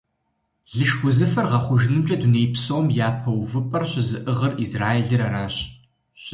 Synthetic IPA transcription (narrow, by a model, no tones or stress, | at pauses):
ɮɨʃɡʷʊzɨfɐrʁɐχʷʊʒɪnɨmt͡ʃʼɐduneːpsoːmjaːpʰɐwvɨpʼɐrɕɪzɨʔɨʁɐrizraːjeɮɨɾaɾaːɕ | ɕ